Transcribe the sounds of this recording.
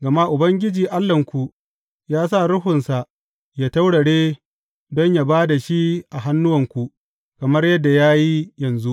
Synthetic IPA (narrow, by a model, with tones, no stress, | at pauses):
ɡɐ˨ma˦ʔʊ˨bɐ˦ŋɡʲɪ˦d͡ʒiː˨ʔa˦lːɐ˨ŋkʷu˨ʔ | jaː˦s̬a˦˨ɽʊ˦ɦʊ˨nsa˨ʔ | jaː˦ta˦wɽɐ˨ɽeː˦ | dɔ˦ɲjaː˨baː˦da˨ʃi˦ʔa˨ɦa˦nːʊ˦wɐ˨ŋkʷu˨ʔ | kɐ˨mɐ˦rjɐ˦dːa˨jaː˦ji˦jɐ˨nzu˦ʔ